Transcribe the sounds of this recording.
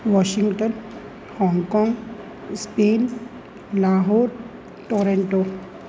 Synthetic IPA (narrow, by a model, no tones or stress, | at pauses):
ʋɔɕiŋɡʈən | hɔŋɡkɔ̃ŋɡ | spen | laɦoːɾ | ʈoɾeɳʈo